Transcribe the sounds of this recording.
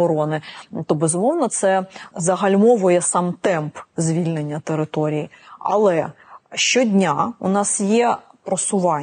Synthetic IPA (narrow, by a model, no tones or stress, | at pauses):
ɔɾɔnɪt̪ɔbɛzʊmɔwnɐt̪sɛzɐɦɐlʲmɔʋɔjɛsɑmt̪ɛmpzʲʋʲilʲnenʲːɐt̪eɾɪt̪ɔɾʲijiɐ̰lˠɛ | ʃt͡ʃɔdʲnʲaʊnɑsjɛpɾɔsʊʋɑ